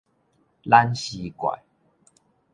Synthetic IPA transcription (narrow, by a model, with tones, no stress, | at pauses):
la˦nɕi˧kwa̰˨˩j